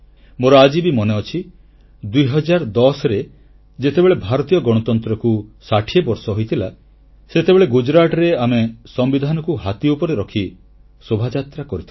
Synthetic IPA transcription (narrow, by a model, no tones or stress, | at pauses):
moɾɔad͡ʒibimɔneɔt͡ʃʰi | d̪ujɦɔd͡ʒaɾɔd̪ɔsɾe | d͡ʒet̪ebeɭebʱaɾɔt̪ijɔɡɔɽ̃ɔt̪ɔnt̪ɾɔkusaʈʰiebɔɾsɔɦojt̪ʰila | set̪ebeɭeɡud͡ʒɾaʈɔɾeamesɔmbid̪ʱanɔkuɦat̪iupɔɾeɾɔkʰi | sobʱad͡ʒat̪ɾakɔɾit̪ʰ